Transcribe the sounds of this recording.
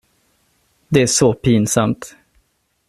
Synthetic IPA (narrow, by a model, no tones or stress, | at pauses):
d̪ɛæʂɔpiːnsamt̪